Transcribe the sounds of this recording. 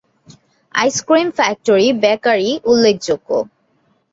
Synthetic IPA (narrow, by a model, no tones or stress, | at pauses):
a̰jskɹimfɛk̚toɹibɛkaɹiulːek̚ʰzokːo̰